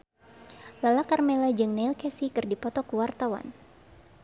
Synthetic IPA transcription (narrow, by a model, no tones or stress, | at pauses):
lalakarmɛlad͡ʒɨŋneilkɛsikɨrdipɔt̪ɔkuwart̪awa̰n